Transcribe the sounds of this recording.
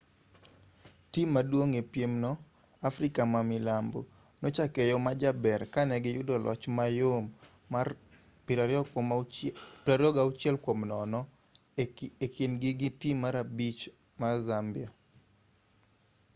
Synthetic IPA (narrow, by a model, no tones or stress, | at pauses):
timːadwoŋepjemnɔ | afɾikamamɪlambo̰ | not͡ʃakɛjɔmad͡ʒabɛrkanɛɡɪjʊdɔlʔɔ̰t͡ʃmajomː | a | pɪɾaɾ | pɾaɾɔɡaʊt͡ʃjɛlkwomnɔnɔ | ekinɡɪɡɪtimaɾabit͡ʃ | mazambia